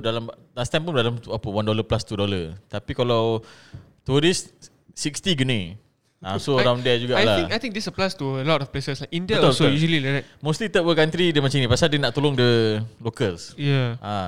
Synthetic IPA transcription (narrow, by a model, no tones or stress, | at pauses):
dalamlast̪ãmpundalamt̪uapəwandoləplast̪udolət̪apikalaw | t̪uɾis | sikst̪iɡəni | ãsoɾãwndɛd͡ʒuɡaʔajlaĩkajt̪ĩŋ̚disəplastuəlɔtɔfplesəslajkĩndiaosojuʃəlilaamost̪lit̪əʔ̚wəkant̪ɾidəmat͡ʃãinĩpasaldənaʔt̪ulʊŋdəlokəlsjaʔa